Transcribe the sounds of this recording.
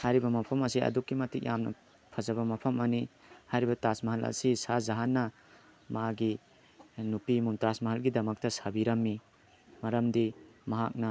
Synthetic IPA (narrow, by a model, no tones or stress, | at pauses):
hajɾibɐmɐpʰɐmɐsiɐ̰dukːimɐtik̚jamnɐ̰ | pʰɐzɐbɐmɐpʰɐmɐnihajɾibɐtasmɐɦɐlʔɐ̰sisazɐɦanːɐ | maɡi | nupimumtasmɐɦɐlɡidɐmɐk̚tɐsɐbiɾɐmːi | mɐɾɐmdimɐɦak̚nɐ